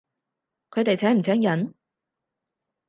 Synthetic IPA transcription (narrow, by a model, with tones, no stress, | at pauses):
kʰɵ˨˧jt̪e˨jt͡sʰɛː˨˥ŋm̩˨˩t͡sʰɛː˨˥ŋjɐ˨˥n